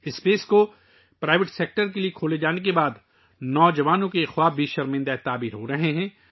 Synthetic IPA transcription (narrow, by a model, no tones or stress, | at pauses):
ɪspeːsko | pɾaːɪʋɪʈseːk̚ʈəɾk̬eliekʰoːled͡ʒaːnek̬ebaːd̪ | nɔːd͡ʒɐʋaːnõkexwaːbʱiʃɐɾmɪ̃nd̪aet̪aːbiːɾɦoɾɐɦeɦɛ̃ː